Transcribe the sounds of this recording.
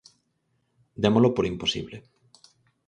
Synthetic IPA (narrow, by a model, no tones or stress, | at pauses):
d̪emolopoɾimposḭβle